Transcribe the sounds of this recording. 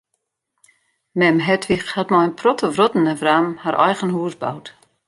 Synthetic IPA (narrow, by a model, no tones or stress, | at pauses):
mɛmɦɛtʰʋixhatmɔjnpʰrɔtʰəvrɔtən̩əvraːmhaɾʔɛ̰jɣənhuəsba̰wt